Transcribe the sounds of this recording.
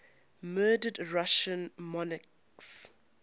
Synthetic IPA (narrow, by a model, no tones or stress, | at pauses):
mɜːdədɹaʃə̃nmɔnək | s